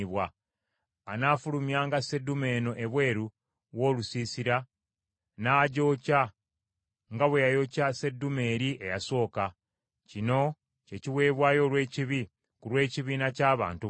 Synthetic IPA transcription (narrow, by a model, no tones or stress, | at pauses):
βwaː | naːfulumjaːŋɡase̞dume̞ːno̞ʔe̞βwe̞ːɾu | wo̞ːlusiːsiɾa | naːɟo̞ca | ŋɡaβwe̞jajo̞case̞dːume̞ːɾiʔe̞jaso̞ːka | cino̞ | ce̞ciwe̞ːβwaːjo̞ːlwe̞ːciβi | kulwe̞ːciβiːnacaːβa̰ːntu